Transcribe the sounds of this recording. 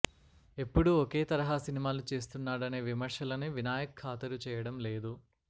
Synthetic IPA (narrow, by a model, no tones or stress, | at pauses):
e̞pːuɽuɔke̞ːt̪ɐɾɐɦaːsinimaːlut͡ʃe̞ːst̪unːaːɽɐne̞ːʋimɐɾʂɐlɐniʋinaːjɐkʰːaːt̪ɐɾut͡ʃɛːjɐɽɐmleːd̪u